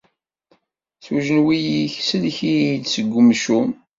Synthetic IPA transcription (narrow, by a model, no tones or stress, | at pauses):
θwuʒənwijiçsəlçid̪səɡʷːəmʃum